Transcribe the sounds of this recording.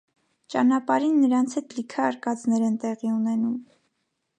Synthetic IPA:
t͡ʃɑnɑpɑɾinːəɾɑnt͡sʰɛt̪̚likʰɛːɾkɑt͡snɛɾɛnt̪ɛʁiunɛnum

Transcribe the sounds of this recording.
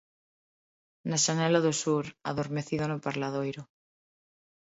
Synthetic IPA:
naʃanelaðosuɾa̰ðoɾme̞θiðonopaɾlaðojɾo

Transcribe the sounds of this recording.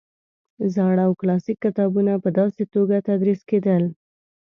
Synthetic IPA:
zɑɽawklɑsikːɪt̪ɑbunapəd̪ɑset̪oɡat̪ad̪ɾisked̪əl

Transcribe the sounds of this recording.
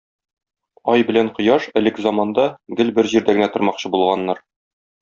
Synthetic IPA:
ɒjbɘ̆læɴqŏjɑʃɘ̆lɘkzɑmɑnd̪ɑɡɘlbɘɾʑiɾd̪æɡɘ̆næt̪ŏɾmɑqɕɤbulˠʁɑnːɑɾ

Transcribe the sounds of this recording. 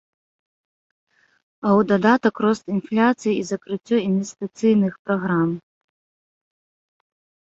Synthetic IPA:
ɐwd̪ad̪at̪ɐkrɔst̪inflʲat̪sɨjiizɐkɾɨt͡sʲːɔinvʲɛst̪ɨt̪sɨjnɨxpɾaɣɾam

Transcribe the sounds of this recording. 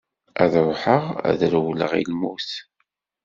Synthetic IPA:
æðɾˤħəʁæ̰ðɾwlə̰ʁḭlmuθ

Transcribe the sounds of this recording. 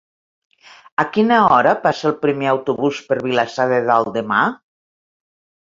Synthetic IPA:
akinaɔɾəpasəelˠpɾimeawt̪uβuspeɾβilasaðeðalˠd̪ema

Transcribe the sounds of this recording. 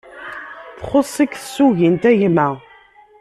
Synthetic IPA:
θχosˤikθə̥sːuʝint̪æʝmæ

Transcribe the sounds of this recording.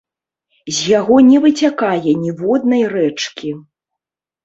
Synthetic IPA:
zʲjaɣɔnʲɛvɨt͡sʲakajɛnʲivɔd̪̚nɐjrɛt͡ʂkʲi

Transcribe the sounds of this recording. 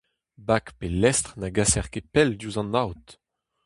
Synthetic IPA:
bakpelɛst̪χnaɡasɛʁkepɛld̪juzɑ̃nawt̪

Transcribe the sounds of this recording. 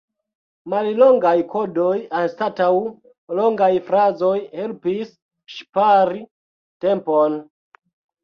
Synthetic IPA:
mallo̞ŋɡajkʰo̞dojanstataw | lo̞ŋɡajfɾazojhe̞lpis | ʃpaɾi | te̞mpon

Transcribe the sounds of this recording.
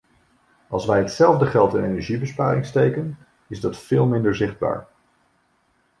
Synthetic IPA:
ɑlˠsʋɛjɦətsɛlˠvdəχɛlˠtɪnḛjnɛɹʒibəspaːɾɪŋstejkən | ɪzdɑtfɪːlˠmɪndəɹzɪχd̚ba̰ːɹ

